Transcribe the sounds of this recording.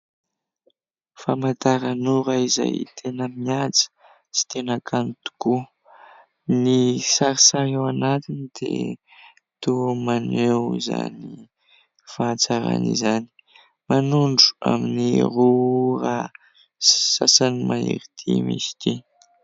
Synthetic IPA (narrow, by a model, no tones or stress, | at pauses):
famat̪aɾanuɾaiza̰jt̪ʰenəmiat͡sə̥ | si̥t̪enakʰanit̪u̥ku | nisaɾisaɾewanat̪inid̪̥ḛ | t̪umanewza̰ni | fat͡saɾa̰nḭzani̥ | manuɳɖ͡ʐu̥a̰minirura | si̥sasanimaḭɾit̪ʰimḭsi̥t̪i